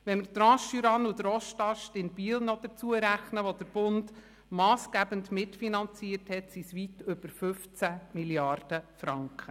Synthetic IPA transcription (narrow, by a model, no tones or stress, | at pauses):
ʋɛnməɾt̪ɾɑ̃ːʃyɾɑnud̪ɾɔʃtɑʃtɪnb̥iəlnɔd̪̥əɾt͡suəɾæχnəʋɔd̥̪əɾb̥ʊnd | mɑːsɡæːbəndmɪtfinɑnt͡siəthɛtsisʋitʏb̥əɾfɵft͡sæmiljɑrd̥əfɾɑŋkχə